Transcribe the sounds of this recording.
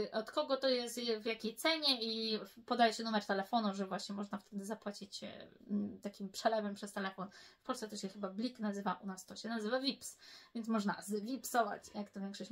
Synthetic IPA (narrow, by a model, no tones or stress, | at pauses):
ʔɔt̪kɔɡɔt̪ɔjɛst̪vjakʲejt̪sɛɲɛipɔd̪ajɛɕɛnumɛɾt̪ɛlɛfɔnuʐɛvwaɕɲɛmɔʐnaft̪ʰɛd̪ɘzapwat͡ɕit͡ɕt̪akʲimpʂɛlɛvɛmpʂɛst̪ɛlɛfɔnfpɔlsɛt̪ɔɕɛxɘbablʲiknazɘvaʔunast̪ɔɕɛnazɘvavʲipsvʲɛntsmɔʐnazvʲipsɔva̰t͡ɕjakt̪ɔvʲjɛŋkʂɔɕ